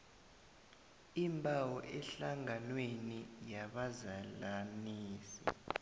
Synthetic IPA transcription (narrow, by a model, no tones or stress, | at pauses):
imbʼʱawɔʔɛɬaŋanwenijaɓazalaniːsḭ